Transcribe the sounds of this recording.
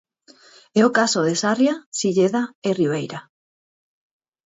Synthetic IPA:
ɛokasoðesarjasiʎeðaeriβejɾa

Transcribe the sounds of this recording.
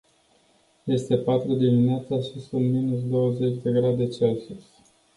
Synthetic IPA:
je̞st̪e̞pat̪ɾud̪imineat̪saʃisunt̪minus̬d̪o̞wəze̞t͡ʃʲd̪e̞ɡɾad̪e̞t͡ʃelsusʲ

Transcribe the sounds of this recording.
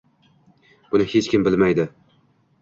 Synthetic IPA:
b̥ʊnɪhet͡ʃkʲɪmbɪlmajd̪ɪ

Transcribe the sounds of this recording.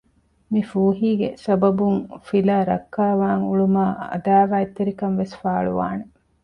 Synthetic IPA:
mifuːɦiːɡesɐbɐbuŋfilaːɾɐkːaːʋaːŋuɭumaːɐ̰d̪aːʋaːet̪ːeɾikɐnʋesfaːɭṵʋa̰ːne

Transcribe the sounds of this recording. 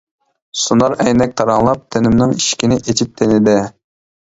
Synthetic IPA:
sunɑɾɛjnɛk̚ʲt̪ʰɑɾɑŋlˠɑp̚t̪ʰenɪmnɪŋiʃkʲinɪʔet͡ʃʰip̚t̪ʰenɪd̪ɪ

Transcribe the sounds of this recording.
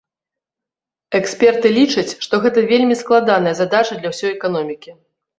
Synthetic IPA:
ɛksʲpʲɛrt̪ɨlʲit͡ʂɐt͡sʲʂt̪ɔɣɛt̪ɐvʲelʲmʲisklˠad̪anɐjɐzad̪at͡ʂɐd̪lʲɐwsʲɔjɛkan̪ɔmʲikʲi

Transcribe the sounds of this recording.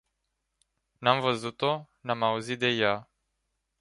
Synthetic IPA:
namvəzut̪onamauzit̪̚d̪e̞ja

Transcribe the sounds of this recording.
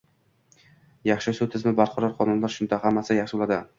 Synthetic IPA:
jɑχʃɪsut̪ʰɪzmɪbaɾqʰɒɾɒɾqʰɒnʊnlaɾʃʊnd̪ahamːasjɑχʃɪolad̪ɪ

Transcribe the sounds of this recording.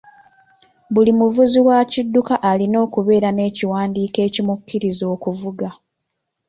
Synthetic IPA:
βulimuvuziwacidːukaʔalino̞ːkuβe̞ːɾane̞ːciwaːndiːke̞ːcimukːiɾizo̞ːkuvuɡa

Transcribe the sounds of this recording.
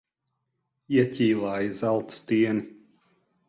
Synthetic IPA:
iɛcʲiːlˠaːjizalˠt̪st̪iɛni

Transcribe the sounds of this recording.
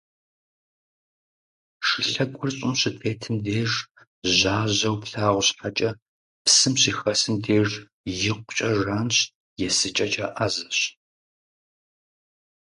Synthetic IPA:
ʂɨɬɐkʷʼʊrɕʼʊmɕɪpʰeːtʰɨmdeːʐ | ʑaːʑɐwpɬaːʁʷʊɕħat͡ʃʼɐ | psɨmɕiːxɐsɨmdeːʐ | jɪqʷʊt͡ʃʼɐʒaːnɕ | jɛsɨt͡ʃʼɐt͡ʃʼaːʔazɐɕ

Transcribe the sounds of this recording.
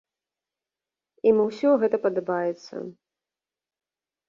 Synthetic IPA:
imɨwsʲɔɣɛt̪ɐpɐd̪ɐbajɛt̪sːɐ̰

